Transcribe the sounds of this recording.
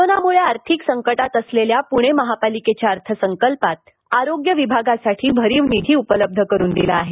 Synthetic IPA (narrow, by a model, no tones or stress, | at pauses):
onamuɭeaɾt̪ʰiksəŋkəʈat̪əsleljapuɽ̃eməɦapaliket͡ɕjaəɾt̪ʰəsəŋkəlpat̪̚ | aɾoɡjəʋibʱaɡasaʈʰiːbʱəɾiːʋnit̪ʰiːupələb̚d̪ʱəkəɾuːnd̪ilaːɦe